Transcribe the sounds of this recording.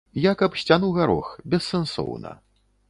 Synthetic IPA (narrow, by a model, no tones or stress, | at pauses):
jakɐpsʲt͡sʲanuɣaɾɔ̰xbʲɛsːɛnsɔ̰wnɐ̰